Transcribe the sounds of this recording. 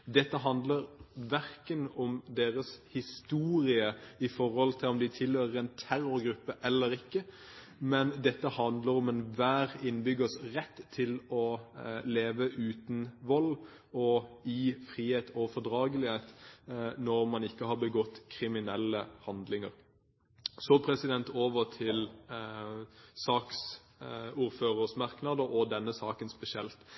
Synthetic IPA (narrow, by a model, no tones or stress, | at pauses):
d̪ɛt̪ːəɦɑnd̪ləɾʋæɾkənɔmd̪eːʁəshɪst̪uːɾɪəɪfɔɾhɔlt̪ʰɪlɔmd̪ɪt̪ʰɪløːɾəɾɛnt̪ʰæɾʊɾɡɾʉpːəʔɛlːəɾɪkːə | mɛnd̪ɛt̪ːəhɑnd̪ləɾɔmɛnʋæːɾɪnːbʏɡəsʁɛt̪ʰːɪlɔleːʋəʔʉːt̪nʋɔl | ɔɪfʁiːheːt̪ʰɔfɔd̪ʁɑːɡəlɪheːt̪ | nɔɾmɑnɪkːəhɑɾbəɡɔt̪ːkʰʁɪmɪnɛlːəhɑnd̪lɪŋəʁ | sɔpʰɾɛsɪd̪ɛnt̪oːʋəʁt̪ʰɪl | sɑːks | uːɾføːʁəsmɑʁknɑd̪əʔɔd̪ɛnːəsɑːkənspɛsɪɛlt̪